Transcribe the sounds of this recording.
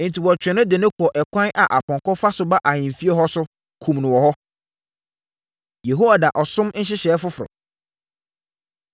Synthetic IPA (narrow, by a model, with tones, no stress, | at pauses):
n̩˨tʰi˨wɔ˨t͡ɕᶣɛ̃˨nʊ̃˦dɪ˨nʊ̃˦kʰɔ˨ʔɛ˨kʷʰã˦nʔa˨ʔa˨pʰɔ̃˨ŋkɔ˦fa˦sʊ˦ba˦ʔa˨ɲɪ̃˨m˨fi˦ɛ˦ɦɔ˦sʊ˦ | kʰũ˨mnʊ̃˨wɔ˨ɦɔ˦ | je˨ɦo˦wa˨da˨ʔɔ˨sʊ̃˦mn̩˦ɕ̬ɪ˦ɕɛː˨˦fʊ˦fɔ̰˨